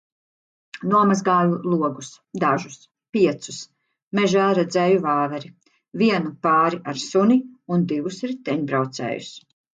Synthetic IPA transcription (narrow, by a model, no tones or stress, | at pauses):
nuɔmazɡaːlulˠuɔɡus | d̪aʒus | piɛt̪su̥s | mɛʒaːɾɛd̪zɛːjuvaːvɛɾi | viɛnupaːɾiʔaɾsuniund̪ivusɾit̪ɛɲbɾawt̪sɛ̰ːjṵs